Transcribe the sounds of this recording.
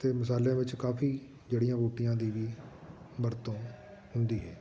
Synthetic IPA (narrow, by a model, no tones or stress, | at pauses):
t̪eːməsaːlẽːʋɪt͡ʃkaːfʰiː | d͡ʒeːɽɪjãːboːʈɪjãːd̪iːʋiː | məɾt̪õː | hʊnd̪iːɦɛː